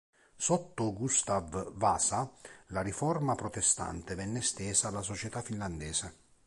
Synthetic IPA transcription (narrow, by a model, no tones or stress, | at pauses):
sɔt̪ːʊɡust̪avːasalaɾifɔrmapɾɔt̪est̪a̰nt̪evɛnːɪst̪ɛːsaːlasot͡ʃɛt̪afːinland̪ɛːse